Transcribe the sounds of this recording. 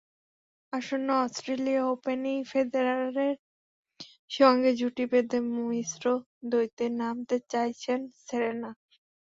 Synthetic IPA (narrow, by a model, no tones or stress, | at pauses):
aʃonːoɔsʈɾeliaopenifed̪eɾaɾeɾ | ʃɔŋɡed͡ʑuʈibed̪emuisɾo | d̪ojt̪enamt̪et͡ɕajt͡ɕʰenseɾena